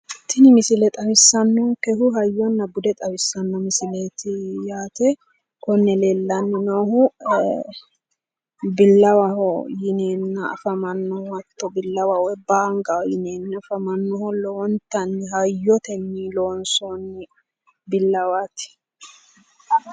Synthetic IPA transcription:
t̪ːɪnɪmɪsɪlɛt̪ʼɐwɪsːɐnːɔŋkɛhʊɦɐjːɔnːɐbʊd̪ɛt̪ʼɐwɪsːɐnːɔmɪsɪleːt̪ɪjaːt̪ɛ | kɔnːɛleːlːɐnːɪnohʊ | bɪlːɐwɐhɔjɪneːnːɐɐ̰fɐmɐnːɔhhɐt̪ːɔbɪlːɐwawɛbaːŋɡawjɪneːnːɐfɐmɐnːɔhɔlːɔwɔnt̪ːɐnːɪɦɐjːɔt̪ɛnːiloːnsɔnɪ | bɪlːɐwaːt̪ɪ̥

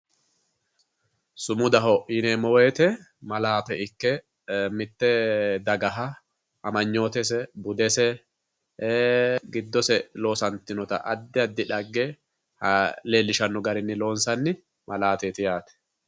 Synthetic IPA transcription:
sʊmʊd̪ɐɦɔʔɪnɛmɔweːt̪ɛmɐlaːt̪ɛɪkːɛ | mɪt̪ːɛd̪ɐɡɐɦɐ | ɐmɐɲːo̞ːt̪ɛs̬ɛbʊd̪ɛsɛ | ɡɪd̪ːɔsɛlo̞ːsɐnt̪ːɪnɔt̪ɐ̰ʔɐd̪ːɪɐd̪ːɪᶑɐɡːɛ | hɐle̞ːlːɪʃɐnːʊɡɐɾɪnːɪlo̞ːnsɐnːɪ | mʔɐlaːt̪eːt̪ɪjaːt̪ɛ̥

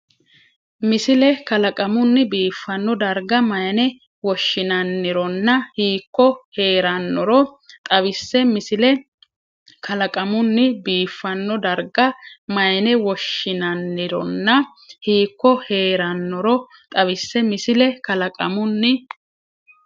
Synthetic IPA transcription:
mɪsɪlɛkɐlɐkʼɐmʊnːɪbiːfːɐnːɔd̪ɐɾɡɐmɐjɐnɛ | wɔʃːɪnɐnːɪɾɔnːɐhiːkːɔhe̞ːɾɐnːɔɾɔt̪ʼɐβɪsːɛmɪsɪlɛ | kʰɐlɐkʼɐmʊnːɪbiːfːɐnːɔd̪ɐɾɡɐmɐjɐnɛwɔʃːɪnɐnːɪɾɔnːɐ | hiːkːɔhe̞ːɾɐnːɔɾɔ | t̪ʼɐβɪsːɛmɪsɪlɛkɐlɐkʼɐ̰mʊnːɪ

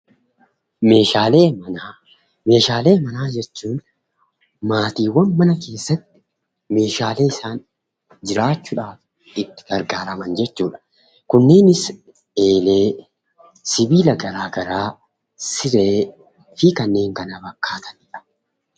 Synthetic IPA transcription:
me̞ːʃaːleːmɐnaː | me̞ːʃaːle̞ːmɐnaːd͡ʒɛt͡ʃːuːn | maːt̪iːwɐnmɐnɐke̞ːsːɐt̪ːɪ̥ | me̞ːʃaːle̞ːɪsaːn | d͡ʒɪɾaːt͡ʃːuːᶑaːf | ɪt̪ːɪ̥ɡ̥ɐɾɡaːɾɐmɐnd͡ʒɛt͡ʃːuːᶑɐ̥ | kʊnːe̞ːnɪs | e̞ːle̞ː | sɪbiːlɐɡɐɾaːɡɐɾaː | sɪɾe̞ː | fikɐnːe̞ːŋkɐnɐbɐkːaːt̪ɐ̥nɪᶑɐ̥

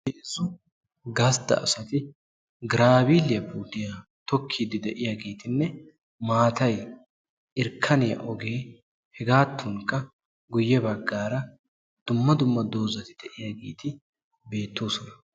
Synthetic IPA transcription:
eʔɪzʊ | ɡɐsd̪ɐ̰ɐ̰sɐt̪ɪ | ɡɾaːbiːlɪjɐpuːt̪ɪjat̪ɔkʰːiːd̪ɪd̪ɛʔɪjaɡeːt̪ɪnːɛ | maːt̪ɐj | ʔɪɾkʰːɐnɛjɐ̰ʔɔɡe̞ː | hɛɡaːt̪ʰːʊŋkːɐ | ɡʊjːɛbɐɡːaːɾɐ | d̪̥ʊmːɐd̪ʊmːɐd̪o̞ːzɐt̪ɪd̪̥ɛʔɪjaɡḛːt̪ɪ | be̞ːt̪ːoːsɔnɐ

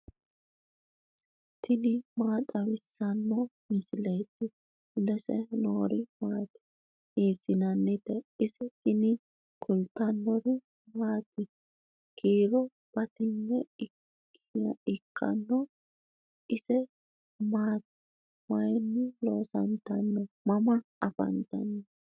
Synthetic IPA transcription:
t̪ɪnɪmaːt̪ʼɐwɪsːɐnːɔ | mɪsɪlɛjt̪ːɪ | lɛsɛ̰noːɾɪmaːt̪ɪ̥ | iːsɪnɐnːɪt̪ɛɪsɛt̪ɪnɪ | kʰʊlt̪ːɐnːɔɾɪ | maːt̪ːɪ | ɡ̥iːɾɔ | b̥ɐt̪ɪnːɛɪ | ɪkʰːɐ̰nːɔ | ʔɪsɛ | maːt̪ | mɐjnːɪloːsɐnt̪ɐnːɔmɐmɐɐfɐ̰nt̪ɐ̰nːɛ

